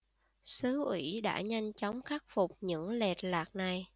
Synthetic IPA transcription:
sɨ˨˦ʔwḭ˧˥ɗa̰ː˧˥ɲa˧jŋ̟t͡ɕɔ˨˦wŋ͡mxa˦˥k̚fʊ˨˩k͡p̚ɲɨ̰˧˥ŋlɛ˨˩t̚laː˨˩k̚na˨˩j

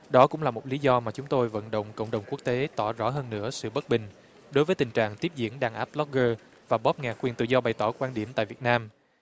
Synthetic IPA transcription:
ɗɔ˨˦kʊ̰˧˥ŋ͡mlaː˨˩mo˨˩t̚li˨˦zɔ˧maː˨˩t͡ɕʊ˨˦ŋ͡mt̪o˧jvə̰˧˨nɗə̰˧˨wŋ͡mkə̰˧˨wŋ͡mɗə˨˩wŋ͡mku˦˥ək̚t̪e˨˦t̪ɔ˧˩zɔ̰˨˥ɦəː˧nːɨ̰˧˥əsɨ̰˧˨ɓə˦˥t̚ɓï˨˩ŋ̟ | ɗo˨˦jvəː˨˦jt̪ï˨˩ŋ̟t͡ɕa̰ː˧˨ŋt̪i˦˥p̚zḭ˧˥ənɗaː˧˩ŋʔaː˦˥p̚lɔ˦˥k̚ɣəː˧ | vaː˨˩ɓɔ˦˥p̚ŋaː˨˩kwi˨˩ənt̪ɨ̰˧˨zɔ˧ɓa˨˩jt̪ɔ˧˩kwaː˧nɗi˧˩əmt̪a̰ː˧˨jvi˨˩ət̚naː˧m

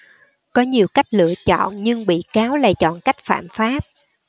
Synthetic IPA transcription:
kɔ˨˦ɲi˨˩əwka˦˥jk̟̚lɨ̰˧˨ət͡ɕɔ̰˧˨nɲɨ˧ŋɓḭ˧˨kaː˨˦wla̰ː˨˩t͡ɕɔ̰˧˨nka˦˥jk̟̚fa̰ː˧˨mfaː˦˥p̚

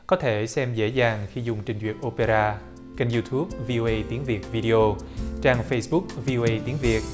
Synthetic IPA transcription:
kɔ˨˦t̪ʰe˧˩sɛ˧mzḛ˧˥zaː˨˩ŋxi˧zʊ˨˩ŋ͡mt͡ɕï˨˩ŋ̟zwḭ˨˩ət̚ʔo˧pe˧zaː˧ | ka˧jŋzu˧t̪ʰu˦˥p̚vi˧o˧ʔə˧jt̪i˨˦əŋvi˨˩ət̚vi˧ɗi˧ʔo˧t͡ɕaː˧ŋfə˧jsɓʊ˦˥k̚vi˧o˧ʔə˧jt̪i˨˦ənvi˨˩ət̚

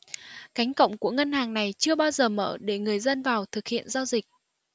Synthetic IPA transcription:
ka˨˦jŋ̟kə̰˧˨wŋ͡mku˧˩əŋə˧nhaː˨˩ŋna˨˩jt͡ɕɨ˧əɓaː˧wzəː˨˩məː˧˩ɗe˧˩ŋɨ˨˩əjzə˧nvaː˨˩wt̪ʰɨ˨˩k̚hḭ˧˨ənzaː˧wzï˨˩k̚

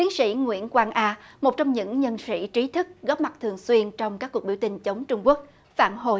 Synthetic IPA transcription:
t̪i˨˦ənsḭ˧˥ŋwḭ˧˥ənkwaː˧nʔaː˧mo˨˩t̚t͡ɕɔ˧wŋ͡mɲɨ̰˧˥ŋɲə˧nsḭ˧˥t͡ɕi˨˦t̪ʰɨ˦˥k̚ɣɔː˦˥p̚ma˨˩t̚t̪ʰɨ˨˩əŋswi˧ənt͡ɕɔ˧wŋ͡mkaː˦˥k̚ːu˨˩ɓi˧˩wt̪ï˧˩ŋ̟t͡ɕə˨˦wŋ͡mt͡ɕʊ˧ŋ͡mku˦˥ək̚ | fa̰ː˧˨nɦo˨˩j

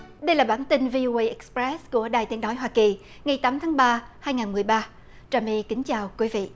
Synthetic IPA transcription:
ɗə˧jlaː˨˩ɓaː˧˩nt̪ï˧ŋvi˧ʔo˧ʔə˧jʔɛ˨˥kspɾɛ˦˥sku˧˩əɗaː˨˩jt̪i˨˦ənɔ˨˦jɦwaː˧ki˨˩ | ŋa˨˩jt̪aː˨˦mt̪ʰaː˨˦ŋɓaː˧haː˧jŋaː˨˩nmɨ˨˩əjɓaː˧ | t͡ɕaː˨˩mɛ˧kï˨˦ŋ̟t͡ɕaː˨˩wkwi˨˦vḭ˧˨ʔ

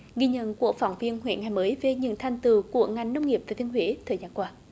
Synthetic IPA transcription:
ɣi˧ɲə̰˧˨nku˧˩ək̚fɔ˨˩wŋ͡mvi˧ənhwḛ˧˩˨nŋa˨˩jməː˨˦jve˨˩ɲɨ̰˧˨nt̪ʰa˨˩jŋ̟t̪ɨ˨˩ku˧˩əŋa˨˩jŋ̟nə˧wŋ͡mŋi˨˩əp̚vaː˨˩t̪ʰi˧nɦweḭ˧˥t̪ʰəː˨˩jzaː˧nkwaː˧

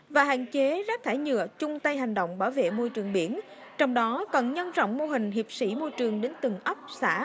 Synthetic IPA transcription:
vaː˨˩ɦa̰ː˧˨nt͡ɕe˨˦zaː˦˥p̚t̪ʰaː˧˩jɲɨ̰˧˨ət͡ɕʊ˧ŋ͡mt̪ə˧jɦa˨˩jŋ̟ɗo̰˧˨wŋ͡mɓaː˧˩wvḛ˧˨mo˧jt͡ɕɨ˨˩əŋɓi˧˩ən | t͡ɕɔ˧wŋ͡mɗɔ˨˦kɔ˨˩nɲə˧nzɔ̰˧˨wŋ͡mmo˧ɦï˨˩ŋ̟ɦi˨˩əp̚sḭ˧˩mo˧jt͡ɕɨ˨˩əŋɗe˨˦nt̪ɨ˨˩ŋʔə˦˥p̚sa̰ː˧˥

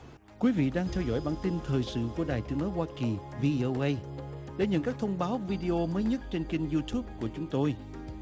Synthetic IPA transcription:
kwi˨˦vḭ˧˨ɗaː˧ŋt̪ʰɛ˧wzɔ̰˧˩˨jɓaː˧˩nt̪i˧nt̪ʰəː˨˩jsɨ̰˧˨ku˧˩əɗaː˨˩jt̪ɨ˨˦əŋnɔ˨˦jhwaː˧ki˨˩vi˧ʔo˧wʔə˧j | ɗḛ˧˩˦ɲə̰˧˨nkaː˦˥k̚t̪ʰə˧wŋ͡mɓaː˨˦wvi˧ɗi˧ʔo˧məː˨˦jɲə˦˥t̚t͡ɕe˧nki˧ŋzu˧t̪ʰu˦˥p̚ku˧˩ət͡ɕʊ˨˦ŋ͡mt̪o˧j

